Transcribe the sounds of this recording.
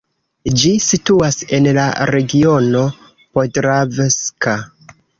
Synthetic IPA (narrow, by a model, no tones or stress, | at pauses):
d͡ʒisituase̞nla̰ɾe̞ɡio̞no̞ | podɾaveska